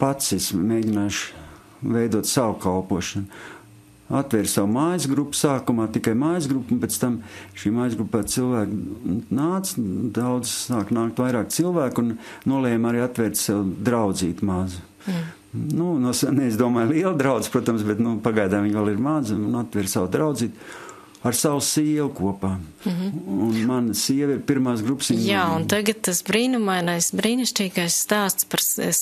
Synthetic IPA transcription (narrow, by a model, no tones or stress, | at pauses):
pat̪sesmeːɟʲinaːʃ | vejd̪uɔt̪sawkalˠpuɔʃɐn | at̪ʋʲɛɾʲsawmaːjzɡɾupːu̥saːkumaːt̪ikajmaːjzɡɾupːunpʲɛtst̪amʃiːmaːjzɡɾupːat̪silˠvæːknaːt̪sd̪awd̪zsaːknaːkt̪ʋajɾaːk̪silˠvæːkunnuɔlˠɛːjmaɾiːat̪ʋʲɛɾt̪sɛwd̪ɾawd̪ziːt̪maz | nunusnɛizd̪uɔmaːjliɛlˠd̪ɾaʊd̪z̥ʲpɾuɔt̪amsbɛt̪nupaɡajd̪aːviɲʋalˠiɾmazunat̪ʋʲɛɾsawd̪ɾawd̪ziːt̪ | aɾsawsiɛlkuɔpaː | unmansiɛʋiɾpiɾmaːsɡɾupsijaːuntt̪aɡɐt̪t̪asbɾiːnumajnajsbɾiːniʃt͡ʃʲiːɡajsst̪aːst̪spɐɾḛs